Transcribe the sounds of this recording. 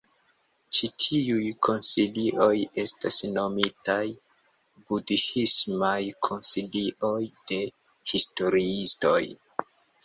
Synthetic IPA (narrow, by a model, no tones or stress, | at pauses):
t͡ʃitʰiujkʰo̞nsiliʔo̞je̞stasno̞mitaj | budhismajkʰo̞nsiliʔo̞jd̥e̞ | histo̞ɾiisto̞̰j